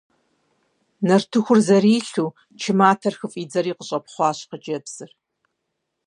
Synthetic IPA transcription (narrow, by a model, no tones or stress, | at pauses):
nɐrtʰɨxʷʊrzɐriːɬuː | t͡ʃʰɪmaːtʰɐrxɨfʼiːd͡zɐɾiːqəɕʼɐpχʷɑːɕqəd͡ʒɐbsɨr